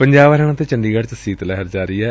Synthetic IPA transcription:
pəɲd͡ʒaːʋɾɦɛɽ̃ãːt̪eːt͡ʃəɳɖiːɡəɽt͡ʃsiːt̪lɛɦəɾd͡ʒaːɾəiːɛː

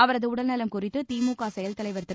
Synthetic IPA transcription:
ɐʋɐɾɐðɯʊɽɐlnɐlɐmkʊrɪt̪ːɯt̪iːmuːkaːsɐjɐlt̪ɐlɐɪʋɐɾɯt̪ːɯ

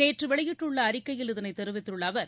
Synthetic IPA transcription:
neːʈrɯʋɛɭɐjɪʈːɯɭːɐːɾɪkːɐjɪlɪðɐnɐɪt̪ːɛɾɯʋɪt̪ːɯɭːɐːʋɐɾ

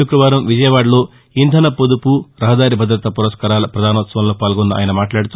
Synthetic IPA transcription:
ukɾɐʋaːɾɐmʋid͡ʒɐjɐʋaːɽɐlo̞ː | ind̪ʰʱɐnɐpod̪upuɾɐɦɐd̪aːɾibʱɐd̪ɾɐt̪ɐpuɾɐʃkaːɾaːlɐpɾɐd̪ʱaːnɐʋɐt̪sɐʋɐmloːpaːlɡɔnːɐa̰ːjɐnɐmaːʈlaːɽut̪u

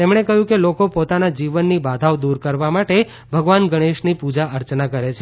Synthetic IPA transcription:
t̪emɽ̃ekəɦjũkelokopot̪anad͡ʒiʋənːibad̪ʱaʋd̪uɾkəɾʋamaʈe | bʱəɡʋanɡəɽ̃eʃnipud͡ʒaʔəɾt͡ʃnakəɾet͡ʃʰe

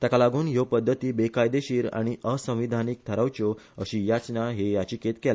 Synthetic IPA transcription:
t̪jakalaɡuːnjopəd̪ʱːət̪iːbekajd̪eɕiːɾa̰ɽ̃iʔəsə̃ʋid̪ʱaniːk̚t̪ʰəɾawt͡ɕo | əɕiːjat͡snaɦejat͡ɕiket̪kɛl

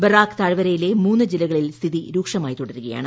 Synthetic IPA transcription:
bɐraːkt̪aːɻʋɐɾɐjilemuːnːɨd͡ʑilːɐɣɐɭilst̪ʰiðiɾuːkʂɐmaːjt̪uɽɐɾuɣɐja̰ːɳɨ

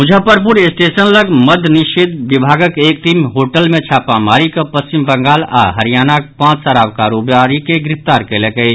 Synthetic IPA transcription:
mʊd͡ʒʱəpəɾp̬ʊɾesʈeːsənləɡməd̪ʱnɪʃed̪̚ʋɪbʱaːɡəkeːkʈ̪iːmɦoːʈəlmẽt͡ʃʰaːpamaːɾikapəst͡ʃimbəŋɡaːla̰ɦəɾijaːnakpãːt͡ʃsəɾaːʋkaːɾoːbaːɾikeɡɾɪpt̪aːɾkelekəi

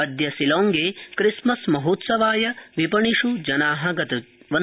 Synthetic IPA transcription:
ɐd̪jɐsiloːŋɡeːkɾismɐsmɐɦoːt̪sɐʋaːjɐʋipɐɳiʂud͡ʒɐnaːɦɐɡɐt̪ɐʋɐ

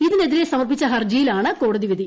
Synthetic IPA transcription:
iðine̞ðiɾesɐmɐrpːit͡ɕːɐɦɐrd͡ʑɐjilaːɳɨko̞ːɽɐðiʋid̪i

